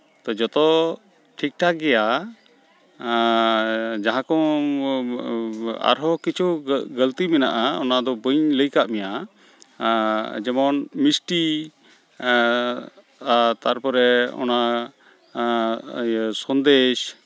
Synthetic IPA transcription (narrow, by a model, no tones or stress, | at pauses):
t̪ɔd͡ʒɔt̪ɔ | ʈʰik̚ʈʰaɡɛja | d͡ʒaɦãkɔ̃ | a̰ɾɦɔkit͡ʃʰuɡəlt̪imɛnaʔaɔnad̪ɔbəɲləjkaʔmɛja | d͡ʒɛmɔnmisʈi | at̪aɾpɔɾɛɔ̰na | sɔnd̪eʃ